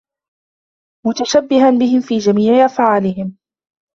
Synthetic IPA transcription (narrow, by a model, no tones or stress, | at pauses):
mʊt̪aʃabːɪɦanbɪhɪmfiːd͡ʒamiːʕɪʔafʕaːlɪhɪm